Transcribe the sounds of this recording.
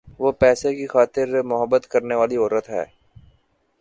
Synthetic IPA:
ʋoːpɛːsekixaːt̪ɪɾmʊɦəbːət̪kɐɾneʋaːliɔːɾət̪ɦɛ̰ː

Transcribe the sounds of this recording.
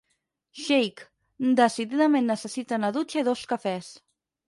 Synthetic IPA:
ʃejk | d̪əsiðiðəmẽnːəsəsit̪anaðut͡ʃəiðoskafɛs

